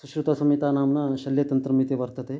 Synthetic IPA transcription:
suʃɾut̪ɐsɐmit̪aːnaːmnɐʃɐljɐt̪ɐnt̪ɾɐmit̪iʋɐɾt̪ɐt̪e

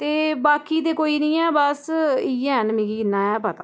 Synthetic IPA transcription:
t̪eːbaːkiːt̪eːkoːiːnĩːɛːbəsiːɛːənmĩːɡiːɪnːãːɛːpət̪ãː

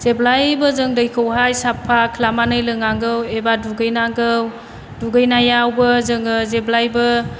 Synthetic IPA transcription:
z̥eblajbəzɯŋdɯjkʰəwɦajsapʰːakʰlamanɯjlɯŋaŋɡɯwebaduɡɯjnaŋɡɯw | duɡɯjnajawbəzɯŋɯzeblajbə

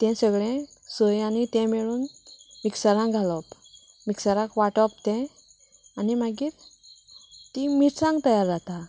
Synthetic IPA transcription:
t̪ɛ̃səɡɭɛ̃səjanit̪ɛ̃mɛɭuːnmiksaɾãɡʱalɔp | miksaɾãkʋaʈɔp̚t̪ɛ̃ | animaɡiːɾ | t̪imiʈsãŋɡt̪əjaɾd͡zat̪a

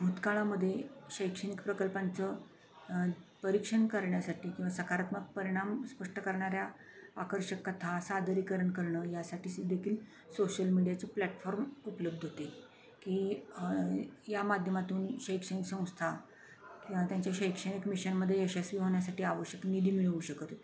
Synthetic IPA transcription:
bʱut̪kaɭaməd̪ʱːjeɕəjkʂənikpɾəkəlpant͡sə | pəɾikʂəɳkəɾɳjasaʈiːkĩw̃ʋasəkaɾat̪mək̚pəɾiɽ̃amspəʂʈəkəɾɳaɾja | akəɾɕəkːət̪ʰasad̪ʱəɾikəɾəɳkəɾɳəːjasaʈiːsd̪ekʰiːl | soɕəlmiɽijat͡səplæʈfɔɾmupələb̚d̪ʱɦot̪e | kiː | jamad̪ʱjəmat̪uːnɕəjkʂəniksə̃w̃st̪ʰa | kĩʋat̪jaɲt͡ɕjaɕəjkʂənikmiɕənməd̪ʱːjeeɕesʋiːɦoɳjasaʈiːaʋəɕjəknid̪ʱiːmiɭʋuːɕəkət̪

